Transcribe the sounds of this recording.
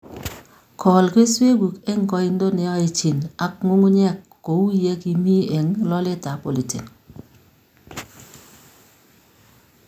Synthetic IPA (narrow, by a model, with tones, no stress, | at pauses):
kʰɔ˨lke˦swe˦ɡu˨ke˦ŋ˦kɔ˦i˦n˦dɔ˦nɛ˨ɔ˦i˨t͡ʃi˨na˨kŋu˦ŋu˦ɲɛ˦˨kːo˨u˦je˦ki˨mi˦e˨ŋlɔ˦le˦ta˨po˨li˨tḛ˨n